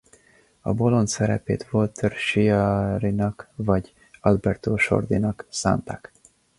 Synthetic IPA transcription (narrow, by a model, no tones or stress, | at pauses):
ɒ̰bo̞lo̞nt̪sɛɾɛ̰pḛːt̪vo̞lt̪ørʃiɑɾinɒkvɒɟ | ɒlbɛrt̪oːʃo̞̰rd̪inɒksa̰ːnt̪ak